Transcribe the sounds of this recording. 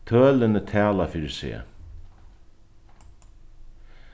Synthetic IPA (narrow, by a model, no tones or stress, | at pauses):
t̪ʰœːlɪnət̪ʰæːlafɪːɾɪsḛː